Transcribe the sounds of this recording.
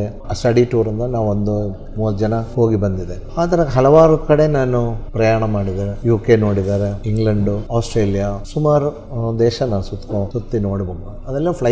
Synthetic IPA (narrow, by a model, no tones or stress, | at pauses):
e | sʈɐɽiʈuːɾɐnd̪ɐnaːʋuond̪u | muːʋɐt̪ːd͡ʒɐnɐhoːɡibɐnd̪id̪e | aːt̪ɐɾeɦɐlɐʋaːɾukɐɽe̞naːnupɾɐjaːɳɐmaːɽid̪aːɾejuːkeno̞ːɽid̪aːɾeiŋɡlɐɳɖuaːsʈɾeːlijasumaːɾu | d̪ɛːʃɐnɐsut̪ːkõsut̪ːinoːɽibɐmɐɐd̪ɐlːeːpʰlɐ